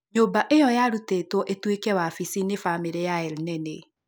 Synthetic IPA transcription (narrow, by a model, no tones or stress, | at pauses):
ɲoːbaʔejɔjaɾutetwɔʔetwekɛwafisinefamiɾejaɛlnɛne